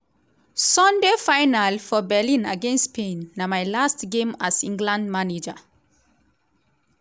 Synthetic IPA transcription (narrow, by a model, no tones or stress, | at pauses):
sɔ̃ndefajnalfɔbɛlĩnaɡẽnstpʰẽnːamajlastɡẽmasĩŋɡlãndmaned͡ʒa